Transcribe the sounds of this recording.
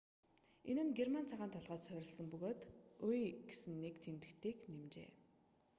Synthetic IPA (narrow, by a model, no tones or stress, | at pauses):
enɘ̆nɡermant͡sʰaʁaːnt̪ʰɔɮʁɔːt͡ɕsœɾʲɪ̆ɮsə̆mpɵɣoːt̪ɵjɡ̥esɘ̆nːekt̪ʰemt̪ɘ̆kt̪ʰiːknemt͡ɕḛː